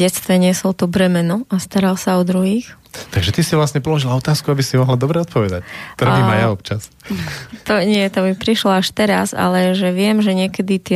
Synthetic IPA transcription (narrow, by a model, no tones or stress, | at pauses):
ɛt̪st̪ʋɛɲɪɛsɔlt̪ubɾɛmɛnuast̪aɾalsaɔd̪ɾuɦiːx | t̪aɡʒɛt̪isiʋlasɲɛpɔlɔʒilaɔt̪aːskuabisimɔɦlad̪ɔbɾɛɔt̪̚pɔʋɛd̪act̪ɔɾaimmajaɔpt͡ʃas | t̪ɔɲɪɛt̪ɔmipɾiʃlɔaʃt̪ɛɾaza̰lɛʒɛʋɪɛmʒɛɲɪɛkɛd̪it̪ɪɛ